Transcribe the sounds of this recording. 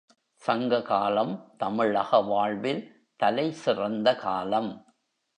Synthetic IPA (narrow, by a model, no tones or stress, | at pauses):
sɐŋɡɐkaːlɐmt̪ɐmɪɭɐɣɐʋaːɭʋɪl | t̪ɐlɐɪsɪrɐnd̪ɐkaːlɐm